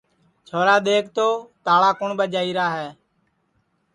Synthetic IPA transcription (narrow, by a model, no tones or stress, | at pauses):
t͡ʃʰoːɾaːɗ̪eːk̚ʰt̪oːt̪aːɭaːkʊɳɓəd͡ʒaːiːɾaːɦɛː